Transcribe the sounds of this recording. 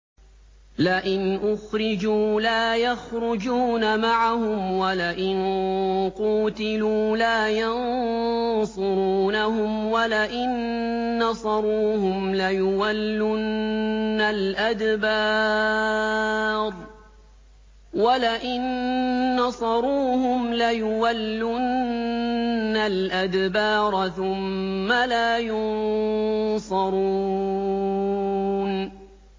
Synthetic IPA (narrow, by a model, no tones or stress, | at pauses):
laʔɪnʔʊxɾɪd͡ʒuːlaːjaxɾʊd͡ʒuːnamaʕahʊmwalaʔɪnquːt̪ɪluːlaːjɑn | sˤʊɾuːnahʊmwalaʔɪnː | ɑsˤɑɾˤuːhʊmlajʊwalːʊnː | alʔad̪bɑː | ɾˤ | walaʔɪnː | ɑsˤɑɾˤuːhʊmlajʊwalːʊnː | alʔad̪bɑːɾˤθʊmːalaːjʊn | sˤɑɾˤu | n